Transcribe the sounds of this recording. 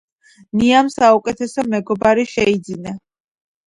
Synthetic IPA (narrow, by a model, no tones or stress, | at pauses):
niamsaukʼɛt̪ʰɛsɔmɛɡɔbaɾiʃɛid̪zina